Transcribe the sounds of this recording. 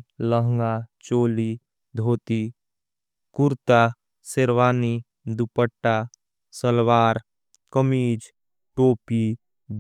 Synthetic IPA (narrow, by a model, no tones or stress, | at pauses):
ləɦŋɡat͡ʃoːli | d̪ʱoːt̪i | kʊɾt̪a | seɾʋaːni | d̪upəʈːa | səlwaːɾ | kəmiːd͡ʒ | ʈoːpi